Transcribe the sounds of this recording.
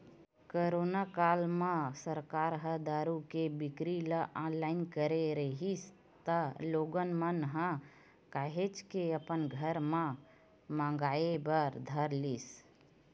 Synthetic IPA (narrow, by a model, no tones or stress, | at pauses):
koɾonakaːlmãsəɾkaːɾɦəd̪aːɾukebɪkɾiləʔãlaɪnkəɾeɾəɦis | t̪əloːɡənmənɦə̃ | kaːɦet͡ʃkeəpənɡʱəɾmã | mãŋɡaːebəɾd̪ʱəɾlis